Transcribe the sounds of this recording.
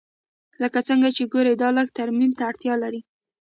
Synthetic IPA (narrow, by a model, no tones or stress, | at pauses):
ləkat͡səŋɡat͡ʃeɡoɾed̪ɑləkt̪aɾmimt̪aːɽt̪jɑlaɾi